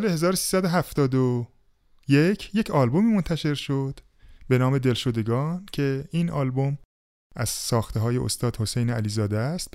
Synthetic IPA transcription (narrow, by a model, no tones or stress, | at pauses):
slehe̞zɒːɾosi̥ːsæd̪oɦæft̪ɒːd̪o | jecʰjecʰɒːlbo̞miːmo̞nt̪ʰæʃe̞ɾʃod̪̥ | be̞nɒːme̞d̪e̞lʃo̞d̪e̞ɡɒːncʰe̞inɒːlbo̞m | ʔæz̥sɒːxt̪ʰeɦɒːjeʔo̰st̪ɒːd̪ho̞sejneæliːzɒːd̪est̪̚